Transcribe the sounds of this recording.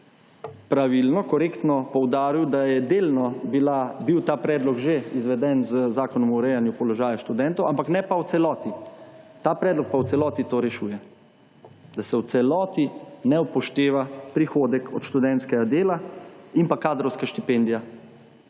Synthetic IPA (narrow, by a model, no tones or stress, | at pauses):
pɾaʋilnɔkɔɾeːkt̪nɔpɔwd̪aːɾiwd̪ajɛd̪eːlnɔbilabiwt̪aːpɾɛːd̪lɔɡʒeizʋɛd̪ɛnzəzaːkɔnɔmuːɾɛjanjupɔlɔʒaːjaʃt̪ud̪ɛnt̪ɔwʔampaknɛpawt̪sɛlɔːt̪it̪aːpɾɛːd̪lɔk̚paw̪sɛlɔːt̪it̪oːɾɛʃuːjɛ | d̪asɛwt̪sɛlɔːt̪inɛwpɔʃt̪eːʋapɾixoːd̪ɛkɔt̪ʃt̪ud̪ɛnt̪skɛɡad̪eːlainpakaːd̪ɾɔwskaʃt̪ipend̪ija